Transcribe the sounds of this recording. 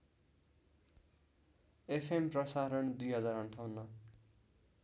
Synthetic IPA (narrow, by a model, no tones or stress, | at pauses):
epʰemprʌsaɾʌɳd̪ujɦʌd͡zaɾʌɳʈʰawnʌ